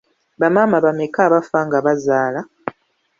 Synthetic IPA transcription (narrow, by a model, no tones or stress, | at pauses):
βamaːmaβamekaːβafaŋɡaβazaːla